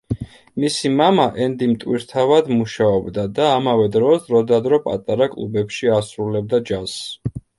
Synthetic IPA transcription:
misimamaʔɛnd̪imt̪ʼwiɾt̪ʰavad̪muʃaɔbd̪ad̪aːmavɛd̪ɾɔsd̪ɾɔd̪ad̪ɾɔpʼa̰t̪ʼaɾakʼlˠubɛpʃiasɾulɛb̚d̪ad͡ʒas

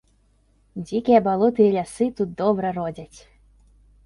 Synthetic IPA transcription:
d͡zʲikʲijɛbalˠɔt̪ɨjɛlʲasɨt̪ut̪̚d̪ɔbɾɐrɔd͡zʲat͡sʲ

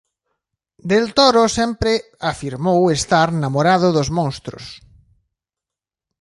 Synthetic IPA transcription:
d̪elt̪oɾosɛmpɾɪ | afiɾmowest̪aɾnamoɾað̞ʊðozmõŋst̪ɾʊ̰s

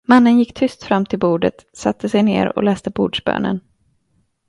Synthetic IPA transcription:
manːənjɪkːt̪ʰʏst̪fɾamːt̪ʰɪlbuːɖə̰t̪sat̪ʰːəsɛjnḛːɾɔ̰lɛːst̪əbuːɖʂbø̰ːnə̰n

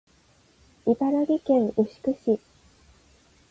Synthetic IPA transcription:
ibaɾaɡʲikẽ̞ŋʔɯ̟ɕi̥kɯ̟ɕi

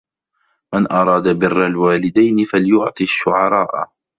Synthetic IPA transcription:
mɪnʔɑɾˤɑːd̪abɪrːalwaːlɪd̪ajnɪfaljʊʕt̪ˤiaʃːʊʕɑɾˤɑːʔ

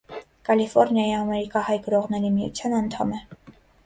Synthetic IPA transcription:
kɑlifɔɾnjɑjiɑmɛɾikɑhɑjɡəɾɔʁnɛɾimijṵt͡sʰjɑnɑnt̪ʰɑ̰mɛ

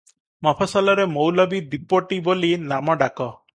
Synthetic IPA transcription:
mɔpʰasɔlɔɾemowlɔbid̪ipɔʈibolinamɔɖakɔ

